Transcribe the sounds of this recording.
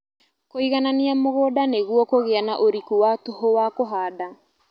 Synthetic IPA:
koiɣananiamoɣoːdaneɣwɔkoɣeanaʔoɾikuwatoɦowakoɦaːda

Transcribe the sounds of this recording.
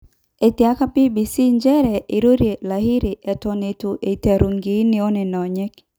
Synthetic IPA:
etiakapibisind͡ʒɛɾɛʔiɾuɾilahiɾiʔɛtɔnɛtuʔetaɾuŋɡiniɔnɛnɔɲɛk

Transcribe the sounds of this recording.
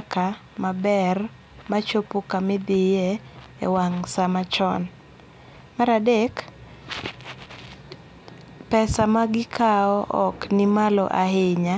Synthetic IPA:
ka | mabɛr | mat͡ʃopukamɪd̪ɪje | ḛwaŋsamat͡ʃɔn | maɾadek | pɛsamaɡɪkʰaɔʔɔknɪmalɔ̰ʔaɦɪɲa

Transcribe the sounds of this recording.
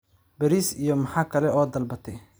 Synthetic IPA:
bɛɾisijɔmɐħaːkʰɐlɛɔːd̪ɐlbɐt̪ʰɛ

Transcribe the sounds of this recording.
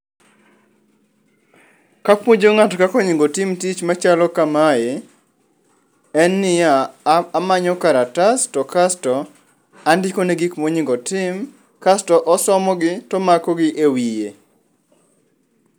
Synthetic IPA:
kakmod͡ʒoŋatkakɔɲɪŋɡɔtɪmtit͡ʃmat͡ʃalɔkamae | ɛnːɪjaː | maɲɔkaɾatastɔkastɔ | andɪkonɛɡikmɔɲɪŋɡɔtɪm | kastɔʔɔsɔmɔɡɪtɔmakɔɡɪʔewije

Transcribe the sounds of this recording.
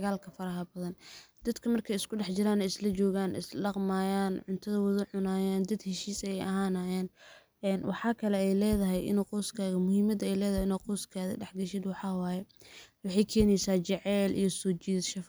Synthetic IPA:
ɐɣaːlkʰɐfɐɾɐɦɐbɐðɐnd̪ɐd̪kʰɐmɐrkʰɛjɪskʰʊɖɛħt͡ʃɪɾaːnɛjɪslɐt͡ʃɔːɣaːnɪ̰sɗɑqmaːjaːnʕʊnt̪ʰɐðɐwɐðʊʕʊnaːjaːnd̪ɐd̪hɛʃiːsɐjɛjɐɦaːnaːjaːn | ʔɛːnwɑ̰ħɑːkʰɐlɛɛjlɛːðɐɦɛjʔɪ̰nɛqɔːskʰaːɣɐmʊhiːmɐd̪ɐɛjlɛːðɐhɪnɛqɔːskʰaːðɐ̰ɖɛħɡɐʃɪd̪wɑħɑːwaːjɛwɑħɑjkʰɛːnɛjsaːt͡ʃɛʕɛːlʔḭjɞsɔːt͡ʃiːðʃɐf

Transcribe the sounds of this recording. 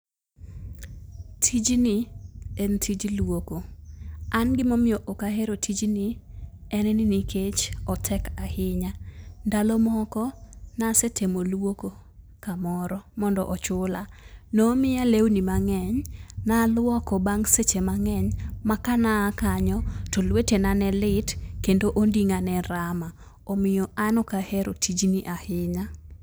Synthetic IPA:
tʰid͡ʒnɪentʰid͡ʒlwoko | anɡɪmɔmɪoʔokaɦeɾotʰid͡ʒnɪɛnɛnɪniket͡ʃɔtʰɛkahɪɲandalɔmɔkɔnasetʰemolwoko | kamɔɾɔmɔndɔʔɔt͡ʃʊlanomɪjalewnimaŋɛɲnalwɔkɔbaŋset͡ʃemaŋɛɲmakanaːkaɲɔtolwetenanɛlɪtkendoʔondiŋanɛɾama | omɪjɔanɔkahɛɾotʰid͡ʒniʔahɪɲa

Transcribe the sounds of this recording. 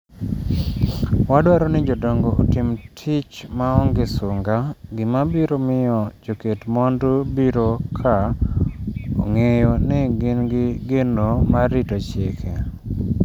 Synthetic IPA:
wadwaɾɔnɪd͡ʒɔdɔŋɡoʔo̰tɪmtʰɪt͡ʃmaɔŋɡesuŋɡaɡɪmabiɾomɪjɔd͡ʒoketmɔndobiɾokʰa | o̰ŋejonɪɡɪnɡɪɡenomaɾɪtot͡ʃekʰe

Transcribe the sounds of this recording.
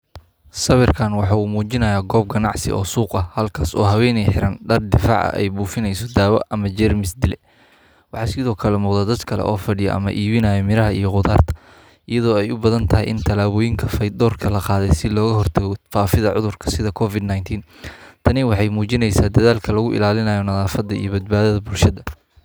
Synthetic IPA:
sɐβɪrkʰaːnwɑħɑːuːmuːt͡ʃɪnɐjaːɡɔːb̚ɡɐnɑʕsɪ̰ʔɔ̰ːsuːqɐhɐlkʰaːsɔːɦɐwɛːnɛjħɪɾɐnɖɐrd̪ɪfɑ̰ʕɐ̰ʔɛ̰jbuːfɪnɛjsɔd̪aːwɐ̰ʔɐmɐd͡ʒɛrmɪsd̪ɪlɛ | wɑħɑːsɪðɔːkʰɐlɛmʊːqd̪ɐːd̪ɐd̪kʰɐlɛ̰ʔɔːfɐɖɪjɔ̰ʔɐ̰mɐ̰ʔiːβɪnɐjɐmɪɾɐɦɐijɔqʊðaːrt̪ʰɐ̥ | ʔɪjɐðɔːɛjʊbɐðɐnt̪ʰɐɦijʔɪnt̪ʰɐlaːβɔːjɪŋkʰɐfɐd̪ɔːrkʰɐlɐqɑːðɛjsɪlɔːɣɐɦɔrt̪ʰɐɣɔfaːfɪðɐʕʊ̰ðʊrkʰɐ̥sɪðɐkʰɔfɪd̪najnt̪ʰiːnt̪ʰɐnɪwɑħɑjmuːt͡ʃɪnɛjsaːd̪ɐðaːlkʰɐlɐɣʊʔɪ̰laːlɪnɐːjɔnɐðaːfɐd̪ːɐḭjɔbɐd̪̚baːðɐðɐbʊlʃɐðɐ

